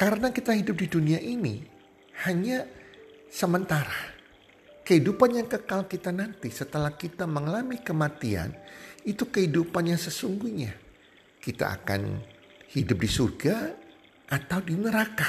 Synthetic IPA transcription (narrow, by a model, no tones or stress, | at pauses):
kaɾənakit̪aɦidʊp̚diduniaʔini | haɲa | səmənt̪aɾa | kəhidupanjaŋkəkalkit̪anant̪isət̪əlahkit̪aməŋəlamikəmat̪ia̰nit̪ukəhidupanjaŋsəsuŋɡuɲa | kit̪a̰ʔa̰ka̰n | hidʊp̚disurɡa | ʔat̪awdinəɾaka